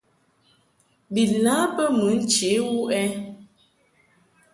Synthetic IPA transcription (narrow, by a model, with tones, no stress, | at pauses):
bi˨lã˨˦pə˦mu˨˦n̩˦t͡ʃe˨˦wu˦ʔɛ˦